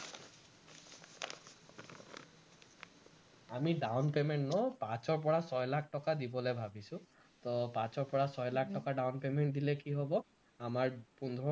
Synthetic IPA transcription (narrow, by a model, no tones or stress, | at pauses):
amiɖawnpemeɳʈnɔpat͡ʃɔɹp̬ɔɹasɔjlakʰʈɔkad̪ibɔlebʱabisũ | t̪ɔpat͡ʃɔɹpɔɹasɔjlakʰʈɔkaɖawnpemeɳʈ̚d̪ilekiɦɔbɔ | amaɹpund̪ʱɾɔ